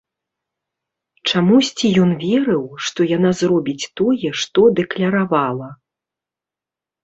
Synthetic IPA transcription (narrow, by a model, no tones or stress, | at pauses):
t͡ʂamusʲt͡sʲijɔnvʲɛɾɨwʂt̪ɔjanazrɔbʲit͡sʲt̪ɔjɛʂt̪ɔd̪ɛklʲɐɾavalˠɐ